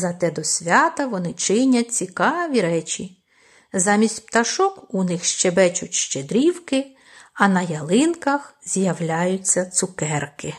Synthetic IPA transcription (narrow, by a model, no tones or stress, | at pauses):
zɐt̪ɛd̪ɔsʲʋʲɑt̪ɐʋɔnɪt͡ʃɪnʲɐt͡sʲikɑʋʲiɾɛt͡ʃʲi | zɑmʲisʲtʲpt̪ɐʃɔkunɪxʃt͡ʃɛbɛt͡ʃʊtʲʃt͡ʃed̪ɾʲiwkɪ | ɐnɐjɐlˠɪnkɐxz̥ʲjɐwlʲajʊt͡sʲːɐt̪sʊkɛrkɪ